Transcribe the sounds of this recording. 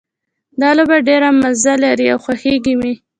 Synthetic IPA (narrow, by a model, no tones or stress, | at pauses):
d̪ɑlobaɖeɾamazalaɾiawxwaxeɡimi